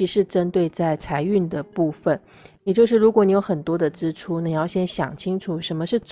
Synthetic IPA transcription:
i˧˥ʂɻ̩˥˩ʈ͡ʂə˥nt̪we˥˧ɪt͡sa˥˩ɪt͡sʰa˧˥ɪy˥˩nd̪ə˩pu˥˩fə˩n | jɛ˨˩t͡ɕjo˥˧ʊʂɻ̩˥˩ɻu˧˥kwɔ˧˦ni˧˥jo˧˥ʊxə˨˩nt̪wɔ˥d̪ə˨ʈ͡ʂɻ̩˥ʈ͡ʂʰu˥na˨˩i˨˧jɑ˥˩ʊɕjɛ˥nɕjɑ̰˨˩ŋt͡ɕʰi˥ŋʈ͡ʂʰu˨˩ʂə˧˥nmə˧ʂɻ̩˥˩ʈ͡ʂ

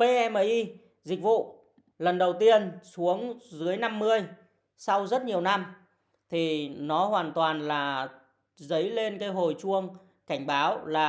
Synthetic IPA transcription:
pe˧ʔɛ˧məː˨˩jʔi˧ | zï˨˩k̟̚vṵ˧˨ | lə˨˩nɗə˨˩wt̪i˧ənsu˨˦əŋzɨ˨˦əjna˧mːɨ˧əj | sa˧wzə˦˥t̚ɲi˨˩əwna˧m | t̪ʰi˨˩nɔ˨˦ɦwaː˨˩nt̪waː˨˩nlaː˨˩ | zə˨˦jle˧nkaː˨˦jɦo˨˩jt͡ɕu˧əŋ | ka˧˩jŋ̟ɓaː˨˦wlaː˨˩

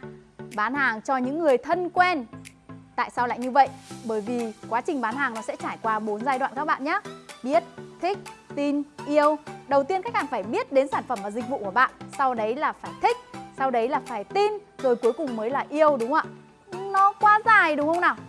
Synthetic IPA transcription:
ɓaː˨˦nhaː˨˩ŋt͡ɕɔ˧ɲɨ̰˧˥ŋːɨ˨˩əjt̪ʰə˧nkwɛ˧n | t̪a̰ː˧˨jsaː˧wla̰ː˧˨jɲɨ˧və̰˧˨jʔɓəː˧˩jvi˨˩kwaː˨˦t͡ɕï˨˩ŋ̟ɓaː˨˦nhaː˨˩ŋnɔ˨˦sɛ̰˧˥t͡ɕaː˧˩jkwaː˧ɓo˨˦nzaː˧jɗwa̰ː˧˨nka˦˥ɓa̰ː˧˨nɲaː˨˦˥ɓi˦˥ət̚t̪ʰï˦˥k̚t̪i˧nʔi˧əwɗə˨˩wt̪i˧ənka˦˥k̚haː˨˩ŋfaː˧˩jɓi˦˥ət̚ɗe˨˦nsaː˧˩nfə˧˩mvaː˨˩zi̟˨˩vṵ˧˨ku˧˩əɓa̰ː˧˨nʔsa˧wɗə˨˦jlaː˨˩faː˧˩jt̪ʰï˦˥k̟̚sa˧wɗə˨˦jlaː˨˩faː˧˩jt̪i˧nzo˨˩jku˨˦jkʊ˨˩ŋ͡mməː˨˦jlaː˨˩ʔi˧əwɗʊ˨˦ŋ͡maː˧˨ | nɔ˨˦kwaː˨˦zaː˨˩jɗɨ˨˦ŋ͡mŋxə˧wŋ͡mnaː˨˩w

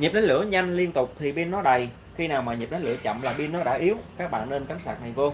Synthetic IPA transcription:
ɲi˨˩p̚nɗə˨˦jlɨ̰˧˩əɲa˧jŋ̟li˧ənt̪ʊ˨˩k͡p̚t̪ʰi˨˩ɓi˧nːɔ˨˦ɗə˨˩j | xi˧naː˨˩wmaː˨˩ɲi˨˩p̚na˨˦jlɨ̰˧˩ət͡ɕə̰˧˨mlaː˨˩ɓi˧ənːɔ˨˦ɗa̰ː˧˥ʔi˨˦əwkaː˦˥k̚ɓa̰ː˧˨nːe˧nka˨˦ŋsaː˨˩k̚na˨˩jvo˧

